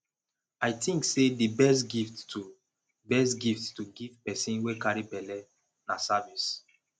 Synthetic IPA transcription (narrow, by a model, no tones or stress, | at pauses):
ajtĩŋksedibɛstɡifttu | bɛstɡifttuɡivpɛsĩnwekaɾibɛlɛ | nasavis